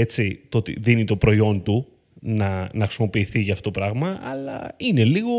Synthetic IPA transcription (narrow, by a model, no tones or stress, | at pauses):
e̞t͡sit̪oot̪ḭðinit̪o̞pɾo̞io̞nt̪u | nɐnɐxɾisimo̞piːθiʝɐːft̪ot̪opɾɐɣmɐɐlɐ̰ine̞liɣo̞